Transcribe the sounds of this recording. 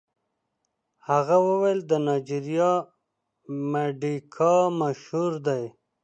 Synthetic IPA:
haɣawəwajld̪ənɑjd͡ʒiɾijɑ | meɖikʰɑmaʃhuɾd̪aj

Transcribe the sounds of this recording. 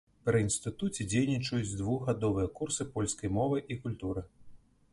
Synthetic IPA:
pɾɨinst̪ɨt̪ut͡sʲɛd͡zʲejnʲit͡ʂɐjud͡zʲd̪vuɣɣad̪ɔvɨjɐkursɨpɔlʲskɐjmɔvɨʔikulʲt̪uɾɨ

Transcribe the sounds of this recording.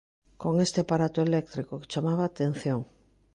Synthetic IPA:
koŋest̪eapaɾat̪oelɛk̚t̪ɾikoke̥t͡ʃamaβaːt̪en̟θjoŋ

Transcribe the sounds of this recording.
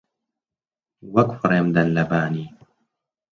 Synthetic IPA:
wakfɑɾˤamd̪anlabaːniː

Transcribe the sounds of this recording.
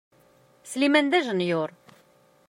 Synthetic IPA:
slimænd̪æʒənjʊɾ

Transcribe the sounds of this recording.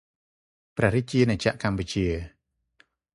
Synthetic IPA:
prɛ̆əhɾit͡ɕiənat͡ɕaʔkamput͡ɕiə

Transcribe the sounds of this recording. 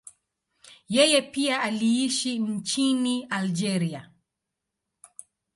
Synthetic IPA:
jɛjɛpiaaliiʃin̩t͡ʃiniald͡ʒɛɾia

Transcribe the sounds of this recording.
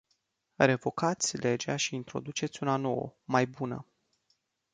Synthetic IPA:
ɾe̞vo̞kat̪sʲle̞d͡ʒaʃiːnt̪ɾo̞d̪ut͡ʃe̞t̪sʲunano̞wə̰majbunə̰

